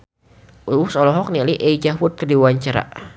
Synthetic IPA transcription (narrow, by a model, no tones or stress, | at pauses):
usɔlɔɦɔk̚niliʔɛid͡ʒawʊt̪̚kərdiwaɲt͡ʃaɾa̰